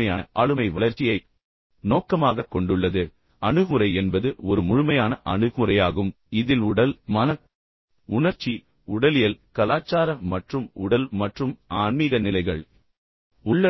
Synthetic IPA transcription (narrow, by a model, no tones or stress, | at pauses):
ɐjaːʔaːɻɯmɐɪʋɐlɐɾt͡ʃɪjɐɪ | noːkɐmaːɣɐkːɔɳɖɯɭːɐðɯ | ɐɳɯɣɯɾɐɪɛnbɐðɯɔɾɯmʊɻʊmɐjaːnɐʔɐ̰ɳɯɣmɯrɐjaːɣɯm | ɪðɪlʊɽɐlmɐnɐ | ʊɳɐɾt͡ʃːi | ʊɽɐlɪjɐlkɐlaːt͡ʃːaːɾɐmːɐʈrɯmʊɽɐlmɐʈrɯmaːɳmiːɣɐnɪlɐɪɣɐɭ | ʊɭːɐ